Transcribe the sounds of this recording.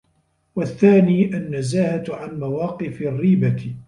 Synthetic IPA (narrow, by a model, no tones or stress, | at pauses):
waθːaːniːʔanːazaːhaʕanmawaːqɨfrːiːba